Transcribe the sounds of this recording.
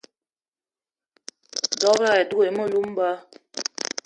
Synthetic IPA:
dɔ˦ba˦˨ɛ˨du˦e˨mɔ˦˨lu˦m˦ba˦

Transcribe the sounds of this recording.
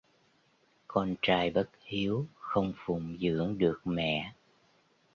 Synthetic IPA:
kɔ˧nt͡ɕaː˧jɓə˦˥t̚hi˨˦əwxə˧wŋ͡mfʊ˨˩˨ŋ͡mzɨ̰˧˥əŋɗɨ˨˩ək̚mɛ̰˧˨

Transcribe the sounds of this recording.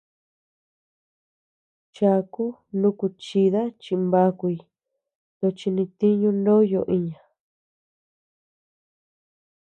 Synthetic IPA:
t͡ʃa˧ku˦nũ˦ku˧t͡ʃi˧ða˦t͡ʃĩ˧mba˧˦ku˧i˧ | t̪o˧t͡ʃi˧nĩ˧t̪i˦ɲũ˧˦nõ˦jo˧˨ʔi˧ɲã˨

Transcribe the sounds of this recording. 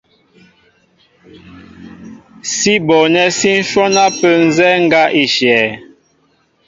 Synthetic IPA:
si˦bɔ˨nɛ˦si˦n̩˦ʃɔ˦na˦pə˦n̩˦zɛ˦ŋ̩˦ɡa˦ʔi˨ʃɛː˨

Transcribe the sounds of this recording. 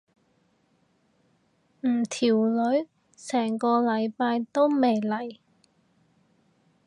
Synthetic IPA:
m̩ː˨˩t̪ʰiː˨˩wlɵ˨˥ɥ | sɛː˨˩ŋkɔː˧lɐ˨˧jpaː˧jt̪o˥wme˨˩jlɐ˨˩j

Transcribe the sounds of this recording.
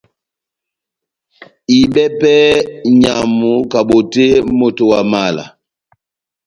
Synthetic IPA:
i˨ɓɛ˦pɛ˦ɲa˨mu˨ka˨bo˨te˦mo˨to˨wa˨ma˦˨la̰˨

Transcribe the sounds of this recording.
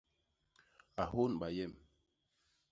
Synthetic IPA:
a˨ɦo˦nɓa˨jɛ˦˨m

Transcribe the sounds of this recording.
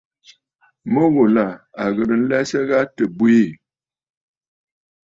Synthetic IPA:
mə˦ɣo˨la˨a˨ɣə˨ɾə˨n̩˦lɛ˦sə˦ɣa˦tə˨bwe˦˨

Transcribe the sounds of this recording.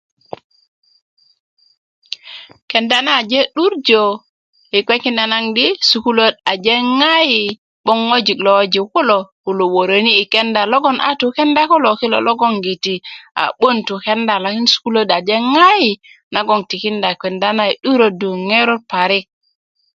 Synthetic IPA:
ke˨nda˦na˦˨d͡ʒe˦ɗu˦ɾd͡ʒo˨ | i˨kʷe˦ki˦nda˨na˦ŋdi˦su˨ku˦lo˦da˨d͡ʒe˦ŋa˦ji˨ | ɓo˦ŋːo˦d͡ʒi˨klo˨wo˦d͡ʒi˨ku˦lo˨ku˨lo˨wo˨ɾo˨niː˦˨ke˦nda˨lo˦ɡo˦nʔa̰˦tu˨ke˦nda˦ko˦lo˨ki˦lo̰˨lo˦ɡo˦ŋɡi˨ti˨a̰˨ɓo˦ntu˨ke˦nda˨la˨ki˦nsu̥˦ku˦lo˦da˨d͡ʒe˦ŋa˦ji˨na˨˦ɡo˦˨ŋti˨ki˦nda˨kʷe˨nda˦na˦i˨ɗu˦ɾo˨du˨ŋe˦ɾo˦pa˨ɾi˦k̚

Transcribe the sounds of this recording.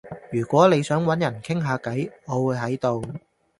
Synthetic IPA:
jyː˨˩kʷwɔː˨˥ne˨˧jsœː˨˥ŋwɐ˨˥njɐ˨˩nkʰɪ˥ŋɦaː˧kɐ˨˥jŋɔː˨˧wuː˨˧jɦɐ˨˥jt̪o˨w

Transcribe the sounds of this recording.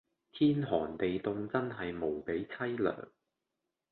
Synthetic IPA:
t̪ʰiː˥nɦɔː˨˩nt̪e˨jt̪ʊ˧ŋt͡sɐ˥nɦɐ˨jmo˨˩wpe˨˥jt͡sʰɐ˥jlœ̰ː˨˩ŋ

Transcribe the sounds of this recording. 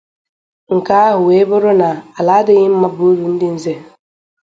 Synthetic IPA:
ŋ̩˨ka˦a˦ɦʊ˨we˦bʊ˦ɾʊ˦na˨a˨la˨˦dɪ˦ɣɪ˦m̩˦ma˦bu˨˦ɾu˨n̩˦dɪ˦n̩˦ze˦

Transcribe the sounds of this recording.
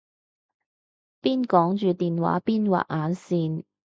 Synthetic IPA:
piː˥nkɔː˨˥ŋt͡ʃyː˨t̪iː˨nwa̰ː˨˥piː˥nwa̰ː˨˩ʔ̚ʔaː˨˥nsiː˨n

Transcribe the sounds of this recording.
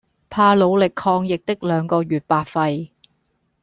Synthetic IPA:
pʰaː˧lo˨˧wlɪ˨kʰːɔː˧ŋjɪ˨k̚t̪ɪ˥k̚lœː˨˧ŋkɔː˧ɥyː˨t̚paː˨˩t̚fɐ˧j

